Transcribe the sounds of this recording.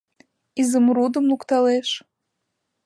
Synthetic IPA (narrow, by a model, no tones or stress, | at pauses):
izəmɾud̪ə̆mlukt̪ɑleʃ